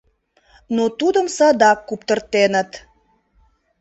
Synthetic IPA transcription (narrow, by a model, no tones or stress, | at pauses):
not̪ud̪əmsɑd̪ɑkːupt̪ə̆rt̪enət̪